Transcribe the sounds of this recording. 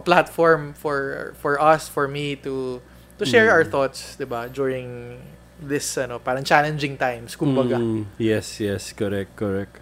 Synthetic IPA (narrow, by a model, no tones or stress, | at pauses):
plat̪fɔɹmfɔɹfɔɹɐsfɔɹmit̪u | t̪uʃɛɹawəɹθɔt̪sd̪ɪbad͡ʒuɹɪ̃ŋ | d̪ɪsɐnopaːɾɐŋt͡ʃalɛ̃nd͡ʒɪ̃ŋt̪ajmskʊmbɐɡajɛsjɛskɔɾɛk̚t̪̚kɔɹɛk̚t̪